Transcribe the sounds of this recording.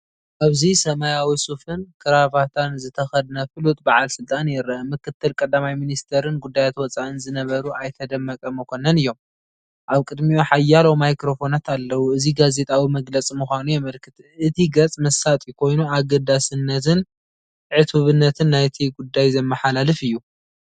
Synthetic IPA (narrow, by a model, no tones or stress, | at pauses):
ʔaβzisɐmajawisufɨnkʰɨɾaβat̪ʰanzɨt̪ʰɐxɐd̪nafɨlut̪ʼbaʕalsɨlt̪ʼanjɪɾːɐʔmɨkɨt̪ʰːɨlkʼɐd̪ːamajminist̪ʰɐɾɨnɡud̪ːajat̪wɔt͡sʼaʔɨnzɨnɐβɐɾuʔajt̪ʰɐd̪ɐmːɐkʼɐmɨkʷʰo̞nɐnɨjːo̞m | ʔaβkʼɨd̪mioħajːalowmajkɾo̞fo̞nat̪alːɐwuɨziɡaze̞t̪ʼawimɐɡlɐt͡sʼimuxʷanujɛmɐlkʰɨt̪ | ɨt̪ʰiɡɐt͡sʼmɐsat̪ʼikʰo̞jnuaɡɐd̪asɨnːɐt̪ʰɨn | ʕɨt̪ʰuβɨnːɐt̪ʰɨnːajt̪ʰiɡud̪ːajzɐmːɐħalalɨfɨjːu